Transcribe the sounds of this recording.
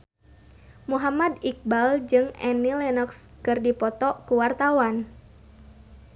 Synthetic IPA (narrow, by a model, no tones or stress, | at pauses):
muɦamad̪ik̚bald͡ʒɨŋɛnilɛnɔkskɨrdipɔt̪ɔkuwart̪awan